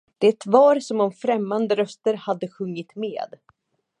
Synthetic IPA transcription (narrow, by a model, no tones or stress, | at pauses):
d̪̥ɛt̪vɑːɾsɔmɔmfɾɛmːand̪əɾœst̪əɾhad̪ːəɧɵŋːɪt̪mḛːd̪